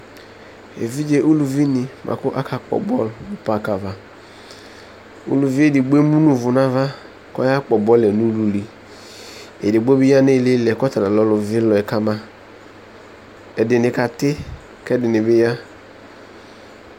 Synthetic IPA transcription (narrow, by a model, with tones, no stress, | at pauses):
ḛ˨vi˦d͡ʒe˦ʔu˦lu˨vi˦nɪ˨mʔa̰˨kʊ˦ʔa˦kʰa˦k͡pɔ̰˨bɔ̰˦lʊ˨pa˦˨ka˨va˦ | ṵ˦lu˨vi˦e˦˨di˨ɡ͡be˦mu˦nu˦vʊ˨na˦va˦ | kɔ̰˦ja˦k͡pɔ˨bɔ˦lɛ˨nu˦lu˨li˨ | e˨di˨ɡ͡bo˦bi˦ja˦ne˦˨le˦lɛ˨kɔ˦ta˨ɾa˨lɔ˦lʊ˨vɪ˦lɔ˨ɛ˨ka˦ma˦ | ɛ˨dɪ˨nɪ˨ka˨tɪ˦ | kɛ˦dɪ˨nɪ˨bɪ˦ja˦